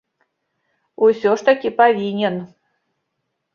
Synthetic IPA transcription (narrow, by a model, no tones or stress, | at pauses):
usʲɔʂt̪akʲipavʲinʲɛn